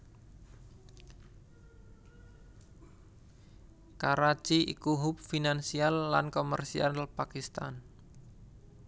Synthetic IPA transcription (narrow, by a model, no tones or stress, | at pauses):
kaɾḁt͡ʃiḭkuɦʊp̚finansialːankomə̰rsia̰nlpakist̪a̰n